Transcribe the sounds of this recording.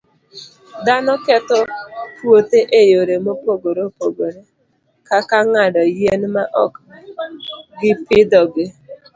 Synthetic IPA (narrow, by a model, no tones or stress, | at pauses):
d̪anɔkɛt̪ɔtwot̪eʔejoɾemopoɡoɾopoɡoɾe | kakaŋadɔjenmaʔɔk | ɡɪpɪd̪ɔɡe